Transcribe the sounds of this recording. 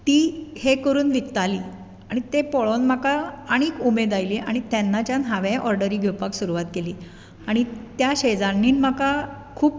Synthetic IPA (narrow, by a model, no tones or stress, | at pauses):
t̪iːhekəɾuːnʋikt̪aliː | aɽ̃it̪epɔɭonmakaaɽ̃iːkumed̪ajliʔa̰ɽ̃it̪ɛnːat͡ɕjanɦaʋẽʔɔɾɖəɾiːɡʱewpaksuɾuʋat̪keliː | aɽ̃it̪jaɕed͡zaɾniːnm̤aka | kʰuːp